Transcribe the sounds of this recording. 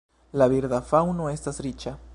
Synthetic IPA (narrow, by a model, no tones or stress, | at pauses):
laβiɾðafawnoest̪asɾit͡ʃa